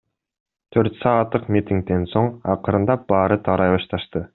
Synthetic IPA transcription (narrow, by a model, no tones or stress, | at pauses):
t̪ʰø̞ɾt̪sɑːt̪ːɯqmʲit̪ʲiŋk̚t̪e̞nso̞ɴɑqɯɾɯnd̪ɑbɑːɾɯt̪ʰɑɾɑjβɑʃt̪ɑʃt̪ɯ